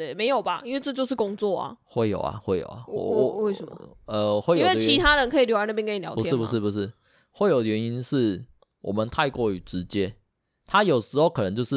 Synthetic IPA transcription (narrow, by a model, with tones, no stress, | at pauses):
e˥˨˩me˧˥ɪjo˨˩ʊba˨ʔi˥nwe˥˧ɪʈ͡ʂɤ˥˧t͡ɕjo˥˧ʊʂ̬̩˥˩kʊ˥ŋt͡swɔ˥˨˩ɐ̰˨˩xwe˥˩ɪjo̰˨˩ʊa̰˨xwe˥˩ɪjo̰˨˩ʊa̰˨we˥˩ə˨m̰ə˧wji˦nwe˥˩t͡ɕʰi˧˦˥t̪ʰa˥lə˧˦nkʰi˨ljo˥a˧˥˦na˥˩jɛ˥˦kʰi˨ljɑ̰˧˦ʊpu˨ʂʰj̩˥˩pu˨˥ʂɻ̩˥˩pu˨˩ʂɻ̩˥˩ | we˥˩ɪjo˨˩ʊə˨˩ɥɛ˧˦ni˦nʂɻ̩˥˩ | wʔɔ̰˨˩mə˨˦nt̪ʰa˥˧ɪkwɔ˥˩y˨˩ʈ͡ʂɻ̩˧˦t͡ɕjɛ˦ | t̪ʰa˦jo˨˩ʊʂɻ̩˧˥xo˥˩ʊkʰɤ˨˩nə˧˦t͡ɕjo˥˧ʊʂɻ̩˥˨